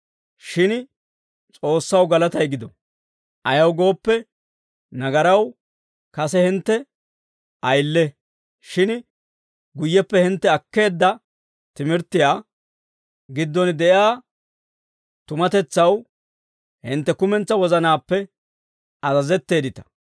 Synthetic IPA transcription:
ʃɪn | t͡sʼo̞ːsːɐwɡɐlɐt̪ɐjɡɪd̪ɔ | ʔɐjɐwɡo̞ːpːɛ | nɐɡɐɾɐw | kɐsɛhɪnt̪ːɛ | ʔɐjlːɛ | ʃɪn | ɡʊjːɛpːɛhɪnt̪ːɛɐkːe̞ːd̪ːɐ | t̪ɪmɪɾt̪ːɪjaː | ɡɪd̪ːɔnd̪ɛʔjaː | t̪ʊmɐt̪ɛt͡sːɐw | hɪnt̪ːɛkʊmɛnt͡sːɐwɔzɐnaːpːɛ | ɐzɐzɛt̪ːe̞ːd̪ɪt̪ɐ̥

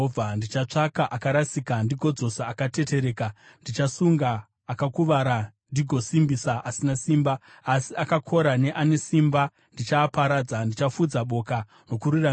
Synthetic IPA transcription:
andit͡ʃat͡ʂakaʔakaɾasikandiɡʱo̞d͡zo̞saakate̞te̞ɾe̞ːka | ndit͡ʃasuŋɡaː | kakuʋaɾandiɡʱo̞simbisaasinasiːmbaː | siakakʰo̞ɾane̞ʔane̞simba | ndit͡ʃaːpaɾaːd͡zandit͡ʃafud͡zaɓo̞ka | no̞kuɾura

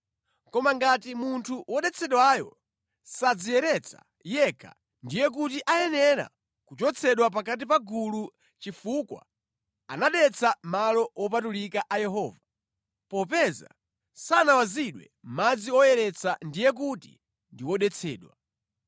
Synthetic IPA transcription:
kɔmaŋɡatimuntʰuwɔɗɛt͡sʰɛɗwajɔ̰ | sad͡zijɛɾɛt͡sʰḁ̰ | jɛkʰa̰ | ndijɛk̬utiʔajɛnɛɾa̰ | kut͡ʃɔt͡sʰɛɗwapak̬at̬ipaɡulu | t͡ʃifukwa̰ | anaɗɛt͡sʰamalɔwɔp̬atulikaʔajɛɦɔːva | pɔpɛza̰ | sanawaziɗwɛ̰ | mmad͡ziɔjɛɾɛt͡sʰandijɛk̬utḭ | ndiwɔɗɛt͡sʰɛ̰ːɗwa

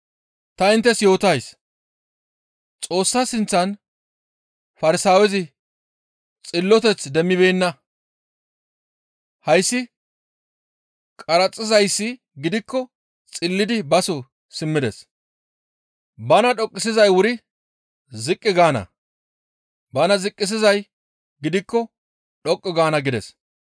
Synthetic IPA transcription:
t̪ɐɪnt̪ːɛsjo̞ːt̪ɐjs | t͡sʼo̞ːsːɐsɪnt͡sːɐn | fɐɾɪsaːwɛzɪ | t͡sʼɪlːɔt̪ɛt͡sd̪ɛmːɪbeːnːɐ | hɐjsːɪ | kʼɐɾɐt͡sʼːɪzɐjsːɪ | ɡɪd̪ɪkːɔ | t͡sʼɪlːɪd̪ɪbɐsɔ | sɪmːɪd̪ɛs | bɐnɐɗɔkʼːɪs̬ɪzɐjwʊɾɪ | zɪkʼːɪɡaːnɐ̰ | bɐnɐzɪkʼːɪs̬ɪzɐj | ɡɪd̪ɪkːɔ | ɗɔkʼːɪɡaːnɐɡɪd̪ɛs

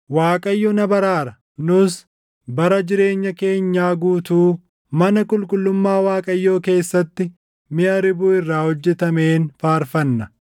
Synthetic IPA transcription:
waːkʼɐjːɔnɐbɐɾaːɾɐ | nʊs | bɐɾɐd͡ʒɪɾe̞ːɲːɐke̞ːɲːaːɡuːt̪uː | mɐnɐkʼʊlkʼʊlːʊmːaːwaːkʼɐjːoːke̞ːsːɐt̪ːɪ | mɪɐɾɪbuɪrːaːhɔd͡ʒːɛt̪ɐme̞ːnfaːɾfɐnːɐ

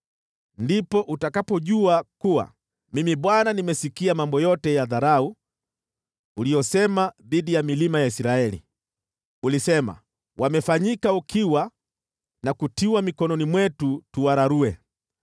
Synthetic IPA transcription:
ndipɔʔutakapɔʄuakuwa̰ | mimiɓwananimɛsikiamambɔjɔtɛjaðaɾau | ulijɔsɛmaðiɗijamilimajaisiɾaɛlḭ | ulisɛma̰ | wamɛfaɲikaukʰiwa | nakutiwamikɔnɔnimwɛtutuwaɾaɾuɛ

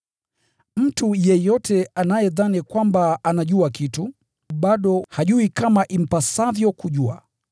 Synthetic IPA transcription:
m̩tujɛjɔtʰɛanajɛðanikwambaːnaʄuakitu | ɓaɗɔhaʄuikamaʔim̩pasavjɔkuʄua̰

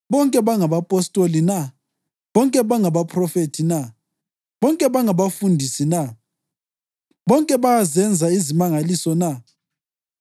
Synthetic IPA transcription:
βɔŋkʼɛβaŋaβapʼɔstʼolina | βɔŋkʼɛβaŋaβapʰʼrɔfetʰina | βɔŋkʼɛβaŋaβafundʱisina | βɔŋkʼɛβajazɛnd͡zʱaizimaŋalisɔna

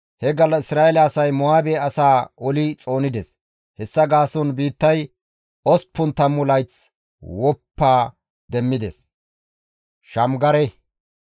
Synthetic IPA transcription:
hɛɡɐlɐɪsɾaːʔɛlɐːsɐjmɔaːbeːɐsaːʔɔlɪt͡sʼo̞ːnɪd̪ɛs | hɛsːɐɡaːsɔnbiːt̪ːɐj | ɔspːʊnt̪ɐmːʊlɐjt͡s | wɔpːaː | d̪ɛmːɪd̪ɛs | ʃɐmɡɐɾɛ

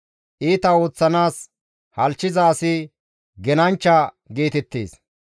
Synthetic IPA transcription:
ʔiːt̪ɐoːt͡sːɐnaːs | hɐlt͡ʃːɪzɐːsɪ | ɡɛnɐnt͡ʃːɐ | ɡeːt̪ɛt̪ːḛːs

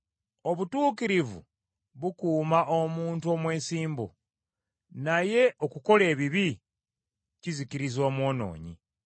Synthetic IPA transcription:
o̞βutuːkiɾivṵ | βukuːmaʔomuːntuomwe̞ːnsiːmbo̰ | naje̞ʔo̞kuko̞le̞ːβiβi | cizikiɾizo̞ːmwo̞ːno̞̰ːɲḭ

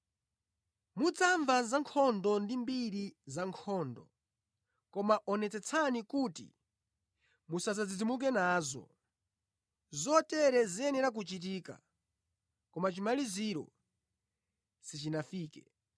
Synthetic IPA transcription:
mud͡zaɱvazaŋkʰɔndɔndimbiɾizaŋkʰɔːndɔ̰ | kɔmaʔɔnɛt͡sɛt͡sʰanikutḭ | musazad͡zid͡zimuk̬ɛnaːzɔ̰ | zɔtɛɾɛziɛnɛɾak̬ut͡ʃit̬iːka̰ | kɔmat͡ʃimaliziɾɔ̰ | sit͡ʃinafiːkɛ

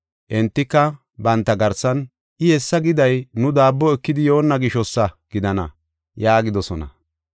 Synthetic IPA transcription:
ʔɛnt̪ːɪkːɐ | bɐnt̪ːɐɡɐɾsːɐn | ʔɪhɛsːɐɡɪd̪ɐjnʊd̪aːbːɔɛkːɪd̪ɪjo̞ːnːɐɡɪʃɔsːɐɡ̥ɪd̪ɐnɐ̰ | jaːɡɪd̪ɔsɔnɐ̰

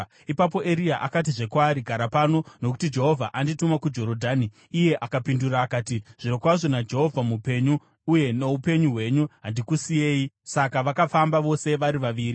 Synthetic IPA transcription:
ipap̬o̞ʔe̞ɾiaʔa̰kat̬iʐe̞kwaːɾiɡʱaɾapano̞no̞ku̥tid͡ʒe̞ɦo̞vʱaʔanditumakud͡ʒo̞ɾo̞dʱaːniː | je̞ʔakapinduɾaːkaːtiʐ̥iɾokwaʐo̞nad͡ʒe̞ɦo̞vʱamupe̞ɲuː | je̞no̞upe̞ɲuɦwe̞ɲuɦandikusije̞ːjisakaʋakafambaʋo̞se̞ʋaɾiʋaʋiːri

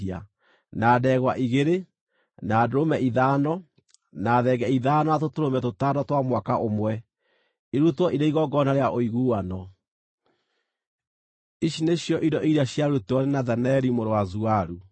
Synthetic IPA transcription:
ia̰ | naːdɛːɣwaʔiɣeɾe | naːdoɾomɛʔiðaːnɔ | naːðɛɡɛiðaːnɔatotoɾomɛtotaːdɔtwamwakaʔomwɛ | iɾutwɔʔiɾeiɣɔɡɔnaɾeaʔoiɣuwanɔ | iɕineɕjɔʔidɔʔiɾaɕjaɾutɔnenaðɛnɛɾimoɾowazuaɾu

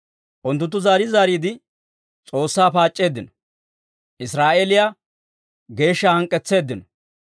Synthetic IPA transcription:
ʔʊnt̪̬ːʊnt̪ːʊzaːɾɪzaːɾiːd̪ɪ | t͡sʼo̞ːsːaːpaːt͡ʃʼːe̞ːd̪ːɪnɔ̥ | ʔɪsɾaːʔelɪja | ɡe̞ːʃːɐhɐŋkʼːɛt͡sːe̞ːd̪ɪnɔ

